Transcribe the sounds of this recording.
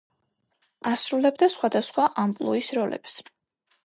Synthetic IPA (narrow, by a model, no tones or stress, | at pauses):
asɾulɛbd̪asχwad̪asχwaʔampʼlˠɔisɾɔlɛ̰ps